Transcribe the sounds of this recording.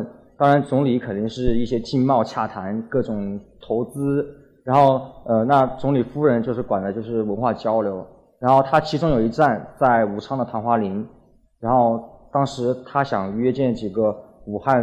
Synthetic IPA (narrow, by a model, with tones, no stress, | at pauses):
t̪ɑ˥ŋɻa˧˥nt͡sʊ˧˥ŋli˧˥kʰə˨˩nt̪i˥˧ŋʂɻ̩˥˧i˥˩ɕjɛ˥t͡ɕi˥˧nmɑ˥˧ʊt͡ɕʰja˥˩t̪ʰa˧˥nkɤ˥˩ʈ͡ʂʊ˨˩ŋt̪ʰo˧˥ʊt͡sɹ̩˥ | ɻa˧˥nxo˥˩ʊə˧na˥˩t͡sʊ˧˥ŋli˨˩fu˥ɻə˧˥nt͡ɕjo˥˧ʂɻ̩˥˩kwa˨˩nd̪ə˦t͡ɕjo˥˧ʊʂɻ̩˥˩wə˧˥nxwa˥˩t͡ɕjɑ˥ʊljo˧˥ʊ | ɻa˧˥nxo˥˩ʊt̪ʰa˥t͡ɕʰi˧˥ʈ͡ʂʊ˥ŋjo˨˩i˧˥ʈ͡ʂa˥˧nt͡sa˥˩ɪu˨˩ʈ͡ʂʰɑ˥ŋd̪ə˨t̪ʰa˧˥nxwa˥li˧˥n | ɻa˧˥nxo˥˩ʊt̪ɑ˥ŋʂɻ̩˧˥t̪ʰa˥ɕjɑ˨˩ŋɥɛ˥t͡ɕjɛ˥˩nt͡ɕi˨˩ɡə˧˦u˨˩xa˥˩